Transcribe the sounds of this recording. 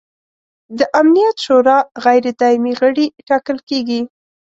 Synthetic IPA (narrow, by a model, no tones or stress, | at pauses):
d̪əʔamnijat̪ʃoɾɑɣajɾɪd̪ɑɪmiɣəɽiʈɑkəlkeɡi